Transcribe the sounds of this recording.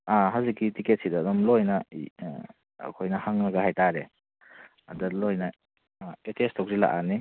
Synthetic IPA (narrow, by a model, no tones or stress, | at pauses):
aɦazikːitiket̚sidaːdɔmlojnɐ | kʰojnɐhaŋnɐɡɐɦajtaɾe | ɐdalojnɐ | etestʰɔk̚ɾila̰ʔani